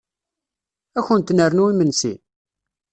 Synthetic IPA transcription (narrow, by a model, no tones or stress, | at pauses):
æçənt̪ːnəɾnuimənsḭ